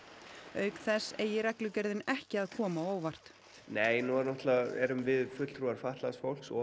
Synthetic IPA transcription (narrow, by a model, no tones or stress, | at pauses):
œːɥkθɛsːejɪɾɛklʏcɛɾðɪnɛhcɪaðkʰɔːmaoːwvar̥t̪ | neːjnuɛɾnɔht̪laɛ̰ɾʏmvɪðfʏt̪l̥t̪ʰɾuːaɾ̥faht̪lasfowl̥ksɔ̰